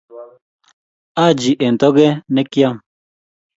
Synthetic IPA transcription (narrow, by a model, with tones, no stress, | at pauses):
a˦˨d͡ʒi˨ʔe˨n̩˨tɔ˦ɡe˦ne˦kja˦m